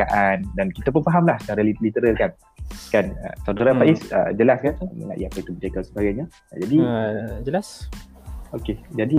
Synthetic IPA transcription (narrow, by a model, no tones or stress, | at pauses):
aʔandankit̪ap̬ʊnfaɦamlaht͡ʃaɾalilit̪əɾalkan | kanə̰t̪adaɾapaʔisə̰d͡ʒəlaskanmə̰ŋa̰ʔḭapait̪umətakasəbaɡajɲa | d͡ʒadid͡ʒəlas | oked͡ʒadi